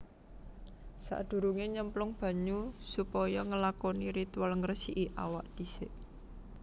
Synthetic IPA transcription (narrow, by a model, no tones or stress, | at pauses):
sa̰ʔd̪̥ṳɾuŋeɲəmplʊŋb̥ä̤ɲusupɔjɔŋəlakɔniɾit̪uwalŋrəsiʔiʔa̰waʔd̪̥isɪʔ